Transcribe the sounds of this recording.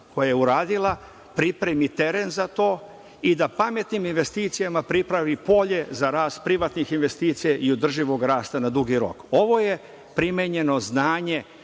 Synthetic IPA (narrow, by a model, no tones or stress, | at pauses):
ko̞jajeuɾaːd̪ilˠa | pɾipɾemit̪e̞ɾenzat̪o̞ː | id̪apame̞t̪niminʋe̞st̪iːt̪sijamapɾipɾaʋipo̞ʎe̞zaɾaːst̪̚pɾiʋat̪nixinʋe̞st̪iːt̪sijaʔiod̪r̩ʒiʋo̞ɡɾaːst̪anad̪uɡiɾo̞̰ko̞ʋo̞je | pɾimeɲe̞no̞znaːɲe